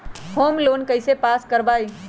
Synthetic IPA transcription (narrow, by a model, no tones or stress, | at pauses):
hoːmloːnkəɪsepaːskəɾbaːi